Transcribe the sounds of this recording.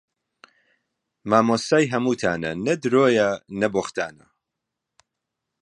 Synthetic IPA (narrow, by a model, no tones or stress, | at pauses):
maːmosaːjɦɐmuːt̪ʰaːnɐnɐd̪ɾoːjɐnɐboxt̪ʰa̰ːnɐ̰